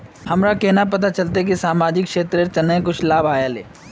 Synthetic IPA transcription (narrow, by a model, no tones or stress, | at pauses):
hɐmɾakeɦnap̬ɐt̪̬at͡ʃɐlt̪̬ek̬isaːmaːd͡ʒɪkʃeːt̪ɾet͡ʃɐnːə̃ẽkʊt͡ʃʰlaːbʱaːjalḛː